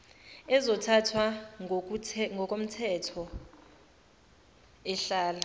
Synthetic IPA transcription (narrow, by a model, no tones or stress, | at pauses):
ɛzɔtʰatʰwa | ŋɡɔkʼom̩tʰɛtʰɔ | ɛɬaːla